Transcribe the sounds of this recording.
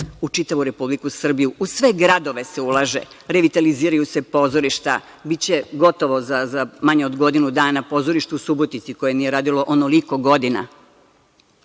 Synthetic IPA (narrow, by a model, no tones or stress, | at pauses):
ut͡ʃit̪aʋuɾe̞publikusr̩bijuʔusʋe̞ɡɾad̪o̞ʋe̞seulˠaːʒḛ | ɾeʋit̪aliziːɾajuse̞po̞ːzoɾiʃt̪a̰ | bit͡ɕe̞ɡo̞t̪o̞ʋo̞zazamaɲeod̪ɡo̞d̪inud̪aːnapo̞ːzo̞ɾiʃt̪uusubot̪nit̪siko̞je̞nije̞ɾaːd̪ilo̞ʔonoliko̞ɡo̞d̪ina̰